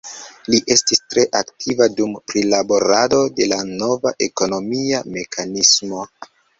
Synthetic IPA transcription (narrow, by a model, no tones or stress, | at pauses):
liʔe̞stistɾe̞ʔaktʰivadumpɾilabo̞ɾado̞de̞lano̞vaʔe̞ko̞no̞miame̞kʰanismo̞